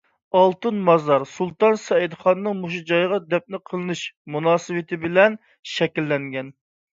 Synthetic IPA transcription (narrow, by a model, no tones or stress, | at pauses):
ɑlˠt̪ɨnmɑzɑɾsulˠt̪ɑnsɛid̪χɑnːɨŋmuʃud͡ʒɑjʁɑd̪ɛp̚nɪqʰəlˠɨnɨʃmunɑːsɨwɨt̪ʰɪbɪlɛn | ʃɛkʲilːɛŋɡʲɛn